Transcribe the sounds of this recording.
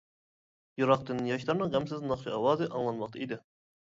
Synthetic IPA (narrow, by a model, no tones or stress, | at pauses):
juɾɑqd̪ɪnɪjɑʃlˠɑɾnɨʁɛmsɪznɑχʃɑɑwɑːzɨʔɑŋlˠɑnmɑq̚t̪ʰɑid̪ɪ